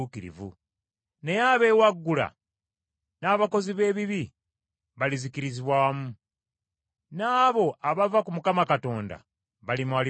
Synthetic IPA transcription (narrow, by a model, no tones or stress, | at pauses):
ukiɾḭvṵ | ne̞jaːβe̞ːwaɡːula̰ | naːβako̞ziβe̞ːβiβi | βalizikiɾiziβwaːmu | naːβo̞ʔaβavakumukamakato̞ːnda̰ | βalimuai